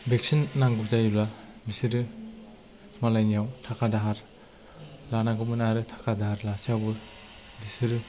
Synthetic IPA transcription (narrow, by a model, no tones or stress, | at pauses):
bek̚sinːaŋɡɯp̚zajulabisɯɾɯ | malajnijawtʰakʰadaɦaɾ | lanaɡɯmɯnaɾɯtʰḁkʰadaɦaɾlasiawbɯ | bisɯɾɯ